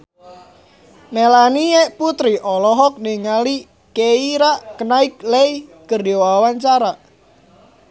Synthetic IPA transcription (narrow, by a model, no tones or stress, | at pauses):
melanieʔput̪ɾiʔɔlɔɦɔk̚niŋali | keiɾaʔkənaɪk̚lejɡ̥ərowawant͡ʃaɾaʔ